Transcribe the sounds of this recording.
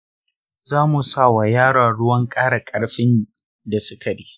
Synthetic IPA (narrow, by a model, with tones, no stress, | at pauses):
zaː˦mu˨sa˦˨wa˨jaː˦ɽaː˨ɽʊ˦wɐ˦ŋkʼaː˦ɽa˨kʼɐ˦ɽɸɪ˦n | da˨sɪ˦tʰɐ˨diː˦